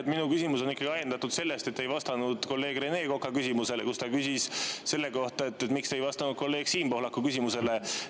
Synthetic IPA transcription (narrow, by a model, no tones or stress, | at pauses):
t̪minukysʲimuso̞nikːˑɑɡiɑjend̪ɑt̪ːud̪̥se̞lːest̪et̪ːejvɑst̪ɑnud̪̥ko̞lːe̞ːɡre̞ne̞ːko̞kːˑɑkysimuse̞lekust̪ɑkysisse̞lːe̞ko̞ht̪ɑet̪ːet̪mikst̪ejvɑst̪ɑnud̪̥̚ko̞lːe̞ːɡ̥siːmpo̞hlɑkːˑukysimuse̞le